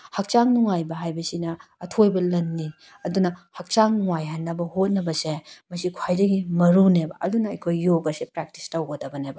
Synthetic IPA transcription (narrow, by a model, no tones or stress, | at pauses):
hɐk̚t͡ʃaŋnuŋajbɐɦajbɐsinɐːtʰojbɐlɐnːi | ɐdunɐhɐk̚t͡ʃaŋnuŋajɦanːɐbɐhot̚nɐbɐsemɐsikʰwajdɐɡimɐɾunebɐʔɐdunɐɐ̰jkʰojːoɡɐsepɾak̚ti̥stɐwɡodɐbɐnebɐ